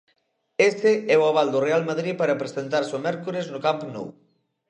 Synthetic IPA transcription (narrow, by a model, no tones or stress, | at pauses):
est̪ɪɛoaβ̞ald̪ʊrealmaðɾipaɾɐpɾesent̪aɾsomɛɾkuɾeznʊkampno̰w